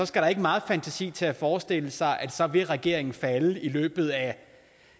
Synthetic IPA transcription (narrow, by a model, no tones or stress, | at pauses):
ɒ̽sɡ̥æɾ̥ɑ̈e̝ɡ̥əmɑ̈ːð̩ˠfænt͡sʰæsḭːt͡sʰe̝æfɒːsd̥e̝l̰əsɑ̈ɪʔæd̥sɒ̽ʋe̝ʁɛɡ̥e̝̰ɐ̰e̝ŋn̩fæləilø̰ːb̥ð̞̩ˠæ